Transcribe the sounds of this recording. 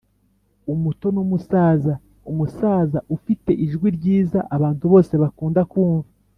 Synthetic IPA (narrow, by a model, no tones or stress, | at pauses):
umuto̞numusaːza | umusaːzaʔufite̞ʔiʒɡwiɾɟiːzaʔaβaːntuβo̞ːse̞βakuːndakuːɱva